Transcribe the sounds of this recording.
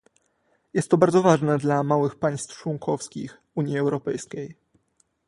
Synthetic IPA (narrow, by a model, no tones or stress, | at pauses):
jɛst̪ːɔbaɾd̪zɔvaʐnɛd̪lamawɘxpaj̃st̪ft͡ʂwɔŋkʰɔfskʲḭx | uɲjiɛwɾɔpɛjskʲej